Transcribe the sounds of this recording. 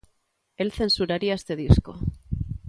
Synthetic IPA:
e̞lθe̞nsuɾaɾiaest̪eð̞isko̰

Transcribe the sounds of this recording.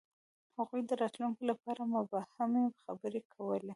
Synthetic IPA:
haɣujd̪əɾɑt̪luŋkolapɑɾamʊbɑhamexabəɾekʰawəle

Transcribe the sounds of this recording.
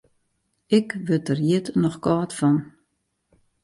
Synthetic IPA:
ɪkʋətərjɪətnɔxkaːtfɔn

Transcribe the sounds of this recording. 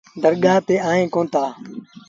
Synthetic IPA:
d̪ʱəɾɠaːt̪eːaːẽːkõːnt̪aː

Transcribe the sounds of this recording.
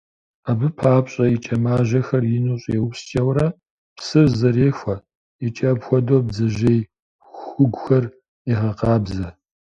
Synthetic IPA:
aːbɨpʰaːpɕʼɐit͡ʃʼɐmaːʒɐxɐrjɪnuɕʼjewpst͡ʃʼɐwɾɐ | psɨvzɐreːxʷɐ | it͡ʃʼɐbxʷɔdoːb̚zɐʒej | xʷʊɡʷxɐr | iʁɐqɑːbzɐ

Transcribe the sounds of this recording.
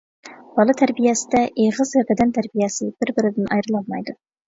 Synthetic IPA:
b̥ɑlˠɑt̪ʰæɾbijæsɪd̪ɛʔeʁɨzæk̪ɪd̪ɛnt̪ʰæɾbijæsɨb̥ɪɾbɪɾɪd̪ɪnʔɑ̰jɾɯlˠɑlˠmɑjd̪ʊ

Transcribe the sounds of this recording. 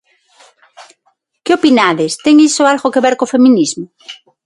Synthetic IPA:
keopinaðest̪eŋisoalɣokeβɛɾkofemĩnizmo

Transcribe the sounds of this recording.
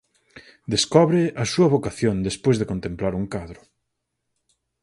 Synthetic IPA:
d̪eskɔβɾɪɐsuɐβokaθjond̪espojzðekont̪emplaɾuŋkaðɾʊ

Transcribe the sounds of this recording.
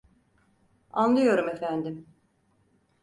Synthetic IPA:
anlˠɯjo̞ɾume̞fænd̪im

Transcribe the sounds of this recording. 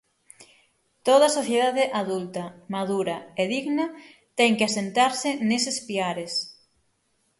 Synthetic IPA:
t̪oðɐsoθjeðaðeʔaðult̪ɐmaðuɾɐeðiɣnɐt̪ɛŋkeasent̪aɾsɪnesespiaɾes

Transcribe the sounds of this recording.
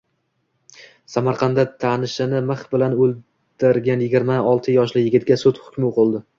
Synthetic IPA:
samaɾqʰɑnd̪at̪ʰanɪʃɪnɪmɨχbɪlanɵlˠ | d̪ɪɾɡʲanjɪɡʲɪɾmaɒlˠt̪ʰɪjɒʃlɪjɪɡʲɪt̪̚ɡʲasʊt̪hʊ̥kʲmɪoqʊlˠd̪ɪ

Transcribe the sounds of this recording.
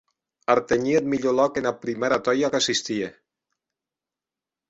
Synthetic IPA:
aɾt̪eɲiet̪miʎolɔkenapɾimeɾat̪ɔjakasist̪ie

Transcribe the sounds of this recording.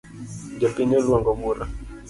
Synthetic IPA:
d͡ʒapiɲɔluwaŋɡɔmuɾa

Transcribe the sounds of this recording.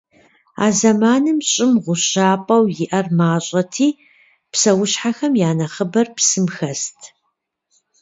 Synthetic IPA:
a̰ːzɐmaːnɨmɕʼɪmʁʷʊɕaːpʼɐwjɪʔɐrmaːɕʼɐtʰiː | psɐwʊɕħaxɐmjaːnɐχəbɐrpsɨmxɐstʰ

